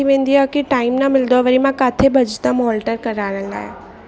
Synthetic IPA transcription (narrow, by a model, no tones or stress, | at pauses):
iʋẽːnd̪iakiʈaːɪmnamɪld̪oʋəɾimãkaːt̪ʰebʱɐd͡ʒt̪əmɦɔːlʈəɾkɐɾaːɽ̃ə̃la̰ːḛ